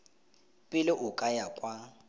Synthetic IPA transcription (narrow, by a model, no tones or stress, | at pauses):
pʼɪlɪʔʊkʼajakʼwa